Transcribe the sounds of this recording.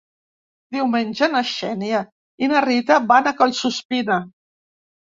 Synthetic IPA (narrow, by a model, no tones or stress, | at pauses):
d̪iwmenʲʒənaʃɛnia | inarit̪abanakəlsuspina